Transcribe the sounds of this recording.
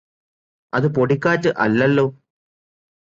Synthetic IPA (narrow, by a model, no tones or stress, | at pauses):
ɐðɨpoɽikːaːtːɨʔɐ̰lːɐlːoː